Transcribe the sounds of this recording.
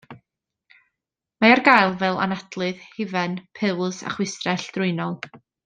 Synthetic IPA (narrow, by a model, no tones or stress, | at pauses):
maarɡajlˠvɛlˠa̰nadlˠɨðhɪvɛnpʰɨlˠsa̰χwɪstrɛɬd̥rʊɨnɔlˠ